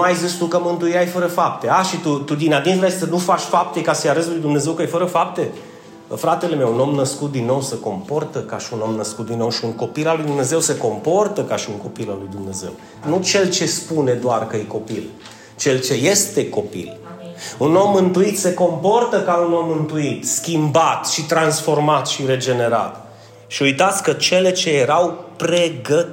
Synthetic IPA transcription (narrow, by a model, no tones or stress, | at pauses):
ajzist̪ukəmɨnt̪uiajfəɾəfap̚t̪e̞aʃit̪ut̪ud̪inad̪insɾajeit̪ənufat͡ʃʲfap̚t̪e̞kasəjaɾəz̬lujd̪umne̞ze̞wkəjefəɾəfap̚t̪e̞ | fɾat̪e̞leme̞wuno̞mnəskut̪̚d̪inːo̞wseko̞mpo̞rt̪əkaʃiuno̞mnəskut̪̚d̪inːo̞wʃiuŋko̞pilalːujd̪umne̞ze̞wse̞ko̞mpo̞rt̪əkaʃiuŋko̞pilalːujd̪umne̞ze̞̰w | nut͡ʃe̞lt͡ʃe̞spune̞d̪oarkəjeko̞pil | t͡ʃe̞lt͡ʃe̞je̞st̪e̞ko̞pḭluno̞mːɨnt̪uit̪se̞ko̞mpo̞rt̪əkauno̞mːɨnt̪uit̪skʲimbat̪ʃit̪ɾansfo̞rmat̪ʃiɾe̞d͡ʒe̞ne̞ɾa̰t̪ | ʃiujt̪at̪sʲkət͡ʃe̞le̞t͡ʃe̞jeɾawpɾe̞ɡə